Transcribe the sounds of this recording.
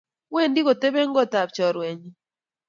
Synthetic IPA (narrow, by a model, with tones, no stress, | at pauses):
we˦˨ndi˦ko˨te˦be˦ŋ˦ɡɔ˦ta˨p̚t͡ʃɔ˨ɾwe˨ɲi˦